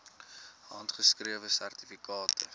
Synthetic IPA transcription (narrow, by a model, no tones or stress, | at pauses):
ɦɐntχəskriəvəsærtifikɑːtʰə̰